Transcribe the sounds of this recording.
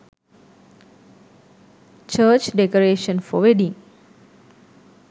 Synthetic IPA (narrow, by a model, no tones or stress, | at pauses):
t͡ʃət͡ʃɖekoɾeːʃə̃nfɔʋeɖĩŋ